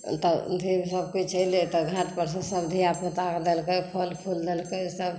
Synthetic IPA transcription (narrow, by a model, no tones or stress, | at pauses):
t̪əd̪ʱibsəb̚kit͡ʃəjlet̪ɔɡʱãʈpəɾs̬ẽsəbd̪ʱiapnet̪akd̪elkepʰɔlpʰuld̪elkesəb